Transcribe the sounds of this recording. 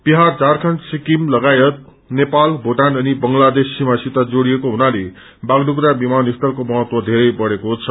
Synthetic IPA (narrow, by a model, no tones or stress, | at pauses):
b̥iɦard͡zarkʰʌnʈsikimlʌɡajʌt̪̚ | nepalbʱoʈanʌnibʌŋlad̪esːimasit̪ad͡zoɽijekoɦunale | baɡdukuɾabimanist̪ʌrkomʌɦʌt̪wʌd̪ʱeɾʌjbʌɽekot͡sʰʌ